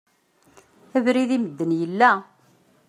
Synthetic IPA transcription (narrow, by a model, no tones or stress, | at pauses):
ævɾiðiməd̪ːənjəlːæ